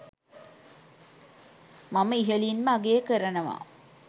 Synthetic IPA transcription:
maməiɦəlinməaɡeːkəɾənəʋa̰

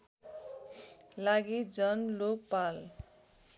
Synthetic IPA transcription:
laɡid͡zʌnlok̚pal

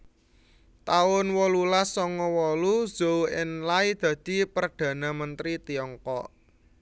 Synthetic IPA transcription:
t̪aʊnwɔlulasɔŋɔwɔluz̥owɪnlaid̪̥ä̤d̪̥i̤pərd̪̥ä̤namənt̪ɾit̪iɔŋkɔʔ

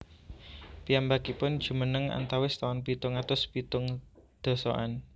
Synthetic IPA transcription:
pijambakipʊnd̥ʒ̥ṳmənəŋa̰nt̪awɪst̪awanpit̪ʊŋat̪ʊspit̪ʊŋ | d̪̥ɔ̤sɔ̰ʔa̰n

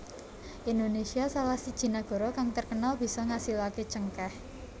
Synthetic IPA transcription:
ʔind̪onesiasalahsid̥ʒ̥i̤naɡ̥ɔ̤ɾɔkaŋt̪ərkənalb̥i̤sɔŋasilaket͡ʃəŋkah

